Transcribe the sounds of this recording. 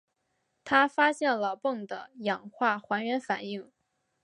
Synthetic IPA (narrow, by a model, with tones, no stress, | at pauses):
t̪ʰa˥fa˥ɕjɛ˥˩nlə˨˩pɤ˥˩ŋd̪ə˩jɑ˨˩ŋxwa˥˩xwa˧˥nɥɛ˧˥nfa˨˩ni˥˩ŋ